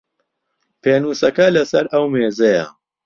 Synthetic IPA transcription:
pʰeːnuːsɐkɐlɐsɐɾɐwmeːzɐjɐ̰

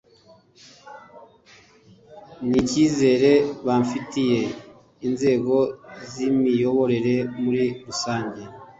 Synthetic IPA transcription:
niciːze̞ːɾe̞βaɱfitije̞ | inze̞ːɡo̞zimijo̞βo̞ɾe̞ɾe̞muɾiɾusaːɲɟe

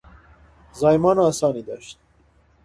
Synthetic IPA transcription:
zɑːjmɑːnɔæsɑːniːd̪ɔʃt̪̚

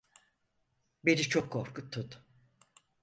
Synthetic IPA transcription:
beɾit͡ʃʰokʰːofkʰut̪ʰːut̪

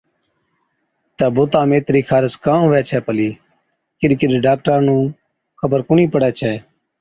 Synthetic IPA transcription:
t̪ɛːbʊːt̪ãːmeːt̪ɾiːkʰaːɾəskãːʊʋɛːt͡ʃʰɛːpəliː | kɪɗkɪɗɖaːk̚ʈəɾnũː | kʰəbəɾkʊɳiːpəɽɛːt͡ʃʰɛː

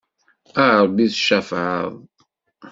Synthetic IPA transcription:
aʕəɾˤbiðʃæfʕə̰ðˤ

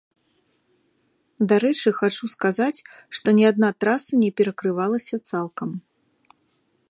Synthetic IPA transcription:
d̪aɾɛt͡ʂɨxat͡ʂuskazat͡sʲ | ʂt̪ɔnʲɛad̪̚nat̪ɾasɐnʲɛpʲɛɾɐkɾɨvalˠɐsʲɐt̪salˠkɐm

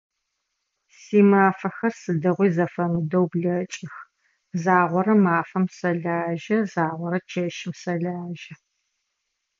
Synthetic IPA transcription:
siːmaːfɐxɐrsɨdɐʁʷiːzɐfɐmɨdɐwbɮɐt͡ʃʼɪx | zaːʁʷɔɾɐmaːfɐmsɐɮaːʒɐzaːʁʷɔɾɐt͡ʃʰɐʃɪmsɐɮaːʒɐ

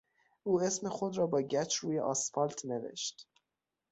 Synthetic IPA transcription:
ʔuːe̞smexo̞d̪ɾɒːbɒːɟæt͡ʃʰɾuːjḛʔɒːsfɒlt̪ʰnevḛʃt̪

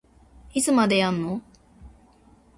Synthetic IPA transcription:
it͡sɨmad̪ejãnːo

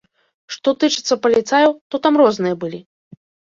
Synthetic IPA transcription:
ʂt̪ɔt̪ɨt͡ʂɨt̪sːɐpɐlʲit̪sajɐwt̪ɔt̪amrɔznɨjɐbɨlʲi

